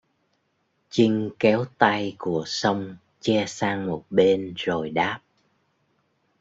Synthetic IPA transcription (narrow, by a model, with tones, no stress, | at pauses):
t͡ɕï˧ŋ̟kɛ˨˦wt̪a˧jku˧˩əsə˧wŋ͡m | t͡ɕɛ˧saː˧ŋmo˨˩t̚ɓe˧nzo˨˩jɗaː˦˥p̚